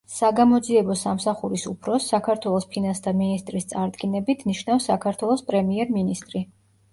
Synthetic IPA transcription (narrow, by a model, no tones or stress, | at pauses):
saɡamɔd̪ziɛbɔsamsaχuɾisupʰɾɔsːakʰaɾt̪ʰwɛlˠɔspʰinasd̪aminist̪ʼɾist̪sʼaɾd̪ɡinɛbit̪ʰniʃnafsːakʰaɾt̪ʰwɛlˠɔspʼɾɛmiɛɾminist̪ʼɾi